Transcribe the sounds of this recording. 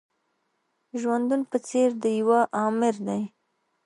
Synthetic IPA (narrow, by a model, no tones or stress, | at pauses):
ʒwand̪unpət͡seɾd̪əjawaʔɑmɪɾd̪aj